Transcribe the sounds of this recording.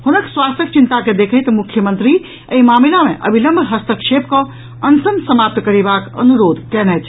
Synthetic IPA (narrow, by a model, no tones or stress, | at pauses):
hunəkswast̪ək̚t͡ʃint̪aked̪ekʰəjt̪mukʰjəmə̃nt̪ɾi | əimamilameʔə̰bʱiləmbʱɦəst̪əkʃʰepkə̃ | ənt̪ənsəmap̚t̪kəɾibakə̰nuɾod̪ʱkɛnɛt͡ʃʰ